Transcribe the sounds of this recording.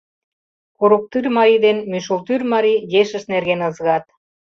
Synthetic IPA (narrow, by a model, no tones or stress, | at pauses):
koɾuk̚t̪yrmɑɾid̪enmyʃolt̪yrmɑɾijeʃə̆ʃnerɣenəzɣɑt̪